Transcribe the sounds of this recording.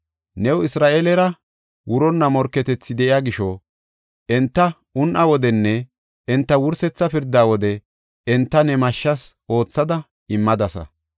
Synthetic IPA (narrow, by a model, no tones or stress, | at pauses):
nɛwɪsɾaːʔeːlɛɾɐ | wʊɾɔnːɐmɔɾkːɛt̪ɛt͡sːɪd̪ɛʔɪjaːɡɪʃɔ | ʔɛnt̪ːɐ | ʊnʔɐwɔd̪ɛnːɛ | ɛnt̪ːɐwʊɾsɛt͡sːɐpɪɾd̪aːwɔd̪ɛ | ɛnt̪ːɐnɛmɐʃːɐsʔo̞ːt͡sːɐd̪ɐ | ɪmːɐd̪ɐsɐ̰